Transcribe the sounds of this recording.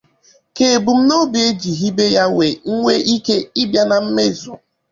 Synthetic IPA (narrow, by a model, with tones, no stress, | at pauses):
ke˨bu˨m̩˦no˦bi˨e˦d͡ʒi˨ɦi˦be˦ja˦we˨ŋ̩˦ŋʷe˦ʔi˦ke˦i˦bja˦na˨m̩˦me˦˨zʊ̰˨